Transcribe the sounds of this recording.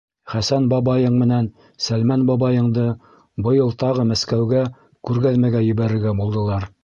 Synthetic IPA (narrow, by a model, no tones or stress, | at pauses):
χæsænbɑbɑjɤɴmɘ̆næn | sælmænbɑbɑjɤ̆ɴd̪ɤ | bɤ̆jɤlˠt̪ɑʁɤmæskæwɡæ | kʉɾɡæðmæɡæjɵ̆βæɾɘ̆ɾɡæbulˠd̪ɤ̆lˠɑɾ